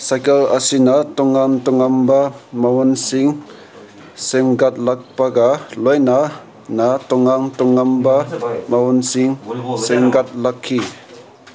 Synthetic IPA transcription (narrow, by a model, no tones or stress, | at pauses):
sajkelɐsinatɔŋːaŋtɔŋambamawɔnsiŋ | semɡat̚lak̚paɡalojna | natɔŋaŋtɔŋːambamawɔnsiŋsemɡat̚lakʰːi